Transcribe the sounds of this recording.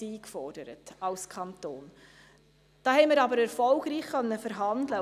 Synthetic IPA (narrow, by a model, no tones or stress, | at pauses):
iːkfɔrd̥əɾətɑlskʰɑnt̪oːn | d̥ɑːhɛɪmiːɾɑbəɾɛɾfɔlɡɾiːχχœnːəfəɾɦɑndlə